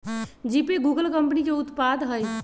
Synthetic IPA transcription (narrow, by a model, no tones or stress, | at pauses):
d͡ʒiːpiɡuːɡəlkə̃mpnikeʊt̪paːd̪ɦəj